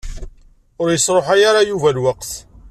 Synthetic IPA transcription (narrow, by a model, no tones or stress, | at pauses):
ʊɾjəsˤɾˤoħajaɾajuvælwaqθ